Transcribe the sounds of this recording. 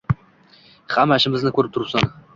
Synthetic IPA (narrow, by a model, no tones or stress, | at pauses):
hamaʃɪmɪznɪkʰɵɾɪp̚t̪ʊɾsɑn